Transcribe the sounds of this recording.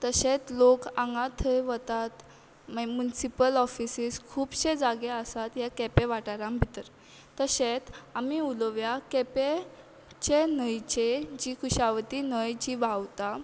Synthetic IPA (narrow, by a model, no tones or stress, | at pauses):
t̪əɕet͡s̪lokãŋɡãt̪ʰəjʋət̪at̪ | mmunisipəlɔfisiskʰuːbɕed͡zaɡeəsat̪jakɛpẽʋaʈaɾãmbʱit̪əɾ | t̪əɕet̪amiuləʋjakɛpe | t͡ɕenəjt͡ɕed͡ʑiːkʰuɕaʋt̪inəjd͡ʑibawt̪a